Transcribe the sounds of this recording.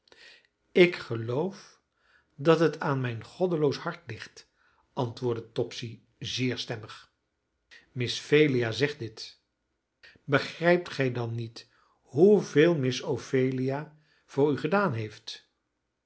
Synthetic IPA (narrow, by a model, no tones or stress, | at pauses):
ɪkχəlowf | dɑtɦətʰaːnmɛjnχɔdəlowshɑɹtlɪχt | ʔɑntʋʊːɹdətɔpsi | zɪːɹstɛməχ | mɪsfejliaːzɛχt̚dɪt | bəχrɛjp̚tχɛjdɑnːit | ɦuveːlˠmɪsowfejlia | v̥ʊːɹyχədaːnɦejft